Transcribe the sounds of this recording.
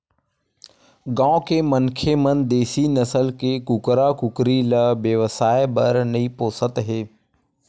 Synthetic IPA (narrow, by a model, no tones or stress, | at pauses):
ɡãːkeːmənkʰemənd̪eːsinəsəlkeːkukɾakʊkɾiləʋjəʋsaːebəɾnəipoːsət̪ɦeː